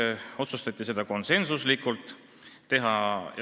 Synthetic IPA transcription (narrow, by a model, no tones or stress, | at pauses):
o̞t̪sust̪ɑt̪ʲːˑise̞d̪̥ɑko̞nse̞nsuslikːult̪ˑː | e̞ɦɑ